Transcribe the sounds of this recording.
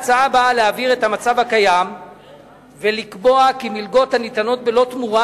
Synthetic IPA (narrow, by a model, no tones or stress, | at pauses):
t͡saabaleaviʁe̞thamat͡savakajam | velikbo̞akimilɡo̞thanit̪ano̞t̚be̞lo̞t̪muʁa